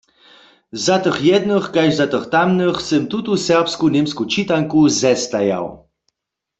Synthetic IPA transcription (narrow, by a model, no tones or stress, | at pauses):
zat̪əχjɛd̪nəχkajʒzat̪əχt̪amnəχsəmt̪ut̪usɛʁpskunemskut͡ʃit̪aŋkuzɛst̪aja̰w